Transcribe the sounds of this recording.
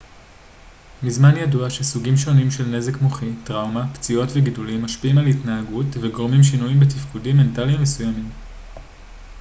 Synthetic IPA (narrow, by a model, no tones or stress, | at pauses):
mizmanjaduaʃesuɡimʃo̞nimʃelne̞ze̞kmoχitʁawmapt͡sio̞tveɡidulimːaʃpiʔimalitnaːɡutveɡo̞ʁmimʃinujimbetifkudimːe̞ntalimesujamim